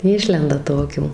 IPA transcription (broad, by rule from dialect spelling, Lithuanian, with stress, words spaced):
ˈɪʃʲlʲɛndɐ ˈtoːkʲuː